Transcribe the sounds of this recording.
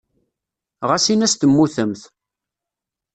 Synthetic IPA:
ʁasinæst̪əmːuθəmθ

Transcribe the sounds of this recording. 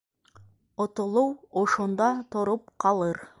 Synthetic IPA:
ŏt̪ŏlˠɤwŏʃŏnd̪ɑt̪ŏɾop̚qɑlˠɤɾ

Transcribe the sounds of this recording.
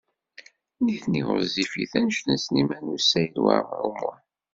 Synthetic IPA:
niθniʁə̰zifḭθænʃθənsnimænusːæjəlwa̰ɾmɾumʊn

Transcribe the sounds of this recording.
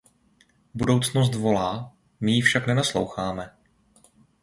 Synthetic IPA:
budo̞wt͡sno̞s̬t̪vo̞laː | mɪjɪfʃaknɛnaslo̰wxaːmɛ

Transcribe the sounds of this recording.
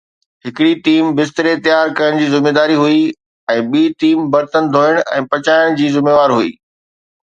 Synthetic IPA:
ɦɪkɪɽit̪iːmbɪst̪ɾet̪ɪjaːɾkɐjəɽ̃̆d͡ʑiːzɪmeːd̪aːɾiɦui | ɛ̃ːɓiːt̪iːmbɐɾt̪ənɪ̆d̪ʱoːəɽ̃ɛ̰̃ːpɐt͡ɕaːɪɽ̃d͡ʑiːzɪmeːʋaːɾɦuḭː

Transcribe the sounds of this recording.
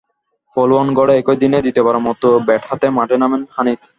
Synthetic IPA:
folwɔnɡɔɽeɛkod̪ined̪it̪epaɾamɔt̪obɛʈʰat̪emãʈʰenamenhanit̪

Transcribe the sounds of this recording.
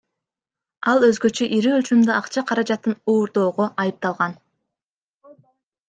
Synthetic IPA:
ɑlˠø̞zɡø̞t͡ʃøʔiɾiølʲt͡ʃymd̪øɑqt͡ʃɑqʰɑɾɑd͡ʒɑt̪ːɯnuːɾd̪o̞ːʁoʔɑjɯp̚t̪ɑlˠʁɑn

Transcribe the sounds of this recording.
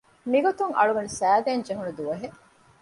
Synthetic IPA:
miɡot̪uŋʔɐ̰ɭuʋɐnusæːd̪eːnd͡ʒeɦunud̪uʋɐɦe

